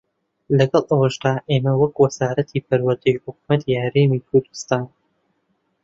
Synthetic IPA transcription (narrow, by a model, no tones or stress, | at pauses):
lɐɡɐlˠʔɐwɐʃd̪aːʔeːmɐwɐkwɐzaːɾɐt̪ʰiːpʰɐɾwɐɾd̪ejħʊk̚umɐt̪ʰiːhɐɾeːmikʰʊɾd̪u̥st̪aːn